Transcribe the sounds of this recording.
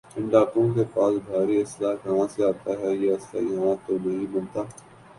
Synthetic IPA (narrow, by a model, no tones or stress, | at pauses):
ɪ̃ɳɖaːkõkepaːsbʱaːɾiɪslaːkɐɦãseaːt̪aːɦɛːjaɪsa̰ːjɐɦãt̪onɐɦĩbɐnt̪aː